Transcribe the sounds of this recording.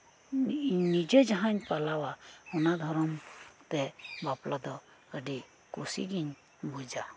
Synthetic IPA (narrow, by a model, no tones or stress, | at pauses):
nid͡ʒed͡ʒəɦãnpalawaunad̪ʱɔɾɔmt̪ebaplad̪ɔ | kəɖi | kusḭɡiɲ | bud͡ʒa